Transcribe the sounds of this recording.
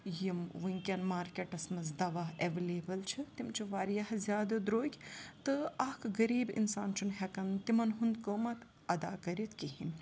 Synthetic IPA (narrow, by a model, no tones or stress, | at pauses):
jimʋɨŋʲkʲɐnmaːɾkʲeʈɐsmɐzd̪ɐʋaːɦeʋeleːbɐlt͡ʃʰit̪imt͡ʃʰiʋaːɾjɐhzjaːd̪ɐd̪ɾoːkʲt̪ɨɐkʰɡɐɾiːbḭnsaːnt͡ʃʰunɦekɐnt̪imɐnɦund̪koːmɐt̪ | ɐd̪a̰ːkɐɾit̪kihinʲ